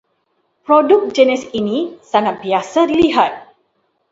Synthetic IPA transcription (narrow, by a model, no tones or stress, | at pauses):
pɾɔdʊk̚d͡ʒɛnɛsinisaŋat̪̚biasadiliɦat̪̚